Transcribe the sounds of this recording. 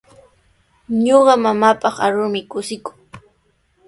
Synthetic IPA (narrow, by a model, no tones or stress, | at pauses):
ɲoɢɑmamaːpɑχa̰ɾʊɾmɪkʊsɪkʊ̥ŋ